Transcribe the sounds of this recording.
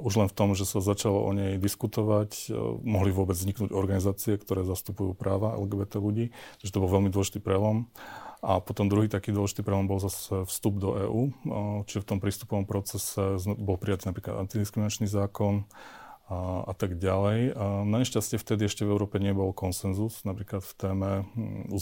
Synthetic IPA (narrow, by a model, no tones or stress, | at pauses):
uʒlɛnft̪ɔmʒɛsazat͡ʃalɔ̰ʔɔ̰ɲɛjd̪iskut̪ɔʋacmɔɦlivʊɔbɛd͡zzɲiknuːɟɔɾɡanizaːt͡siɛkt̪ɔɾɛːzast̪upujṵːpɾaːʋaɛ̰lɡɛːbɛt̪ɛluɟiːt͡ʃaʒɛt̪ɔbɔlʋɛlmid̪wɔlɛʒi̥t̪iːpɾɛlɔmʔapɔt̪ɔmd̪ɾuɦiːt̪akiːd̪ʊɔlɛʒit̪iːpɾɛlɔmbɔlzasɛfst̪ubd̪ɔʔɛːʔuːt͡ʃiʒɛft̪ɔmpɾiːst̪u̥pɔʋɔmpɾɔt͡sɛsɛzbɔlpɾijat̪inapɾiːklad̪a̰nt̪id̪iskɾiminat͡ʃnizaːkɔn | a̰t̪aɡɟalɛjnaɲɛʃcascɪɛft̪ɛd̪iɛʃcɛvɛʊɾɔːpɛɲɪɛbɔlkɔnsɛnzusnapɾiːklat̪ft̪ɛːmɛṵ